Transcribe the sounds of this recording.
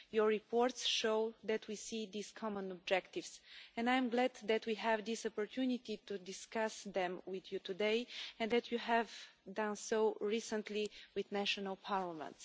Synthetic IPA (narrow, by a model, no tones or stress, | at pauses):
jɔɹipɔɹt̪sʃoʊðɛt̪ʰwisiðiz̥kʰɑmə̃nɔb̚d͡ʒɛkt̪ivsɛ̃najɛ̃mɡlɛd̪ðæt̪wiɦɛvd̪isɔpɔɹt̪ʰjunit̪it̪ud̪ɪskasðɛ̃mwɪðjut̪ud̪eɪɛ̃nd̪ɛt̪ʰjuɦɛvdãnsoʊɹisə̃nt̪liwɪðnæʃɔnəlˠpʰaɹləmə̰̃nts